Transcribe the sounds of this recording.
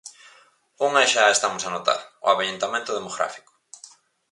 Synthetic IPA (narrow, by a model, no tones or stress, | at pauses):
uŋaeʃaest̪amʊsanot̪a̰ɾʊ̰aβeent̪amẽnt̪ʊð̞emoɣɾa̰fi̥kʊ̥